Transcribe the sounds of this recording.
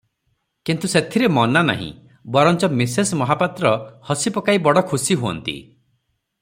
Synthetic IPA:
kint̪uset̪ʰiɾemɔnana̰ɦḭ̃ | bɔɾɔnt͡ʃɔmisesmɔɦapat̪ɾɔhɔsipɔkaibɔɽɔkʰusiɦoɔ̰nt̪ḭ

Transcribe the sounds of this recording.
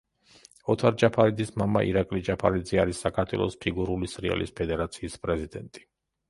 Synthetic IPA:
ɔt̪ʰaɾd͡ʒapʰaɾid̪zismamaʔḭɾakʼlid͡ʒapʰaɾid̪ziaɾisːakʰaɾt̪ʰwɛ̰lˠɔspʰiɡuɾulisɾia̰lḭspʰɛd̪ɛɾat̪sʰiːspʼɾɛzid̪ɛnt̪ʼi

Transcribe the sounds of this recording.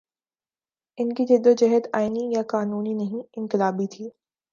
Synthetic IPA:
ɪnkid͡ʒ̪ɪd̪od͡ʒɛɦəd̪aːɪnijaqaːnuːninɐɦĩɪ̃ŋkɪlaːbit̪ʰiː

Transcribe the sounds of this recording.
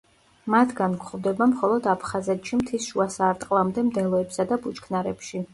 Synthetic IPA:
mat̪ʰɡankʰχvd̪ɛbamχɔlˠɔd̪apʰχazɛt̪ʰʃimt̪ʰisʃuasaɾt̪ʼqʼlˠamd̪ɛmd̪ɛlˠɔɛpsad̪abut͡ʃkʰnaɾɛpʃi

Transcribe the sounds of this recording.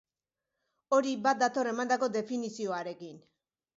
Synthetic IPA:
o̞ɾibat̪̚d̪at̪o̞ɾe̞mand̪ako̞d̪e̞finisio̞aɾe̞kin

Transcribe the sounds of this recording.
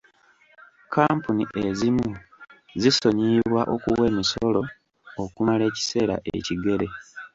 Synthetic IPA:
kaːmpuniʔe̞zimu | ziso̞ɲiːβwaʔo̞kuwe̞ːmiso̞lo̞ | okumale̞ːci̥se̞ːɾa̰ʔḛciɡe̞ɾe̞

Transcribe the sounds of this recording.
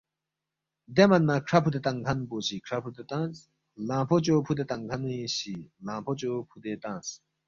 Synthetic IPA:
d̪emɐnmãkʰɾɐpʰut̪et̪ɐ̃ŋɡʱɐnboːɕʰikʰɾɐpʰut̪et̪ãːt͡s | lãːpʰot͡ɕoːpʰud̪et̪ɐŋɡʱɐniɕilãːpʰot͡ɕopʰud̪et̪ãːt͡s

